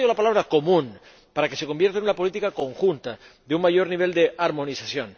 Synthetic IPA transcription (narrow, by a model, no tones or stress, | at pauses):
olapalaβɾako̞mũn | paɾake̞se̞ko̞mbje̞ɾt̪aenunapo̞lit̪ikako̞ŋxunt̪a | d̪euŋmaʝo̞ɾniβe̞ld̪e̞aɾmo̞nisasjo̞n